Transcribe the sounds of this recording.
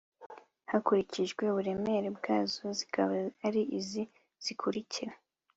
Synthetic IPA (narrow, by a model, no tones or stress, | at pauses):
hakuɾiciʒɡwe̞βuɾe̞me̞ɾebɡaːzozikaβaaɾiʔizi | z̥ikʰuɾiciɾa